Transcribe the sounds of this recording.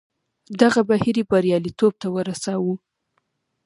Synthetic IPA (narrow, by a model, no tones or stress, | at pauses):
d̪aɣabahiɾibaɾjɑlit̪ob̚t̪awəɾasɑwu